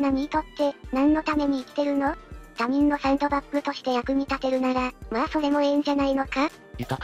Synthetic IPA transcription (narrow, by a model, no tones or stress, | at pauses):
naɲ̟iːt̪o̞t̪ːe̞nãnːo̞t̪ame̞ɲ̟iːkt̪e̞ɾɯ̟no̞t̪am̟ʲĩnːo̞sãɯ̃nt̪o̞bapːɯ̟t̪o̞ɕi̥t̪e̞jakɯ̟ɲ̟it̪at̪e̞ɾɯ̟naɾamaːso̞ɾe̞mo̞ẽ̞ɲ̟d͡ʑanaino̞ka | ika